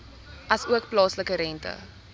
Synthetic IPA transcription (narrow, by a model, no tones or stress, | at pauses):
ɐsuək̚plɑːsləkəɾɛntə̰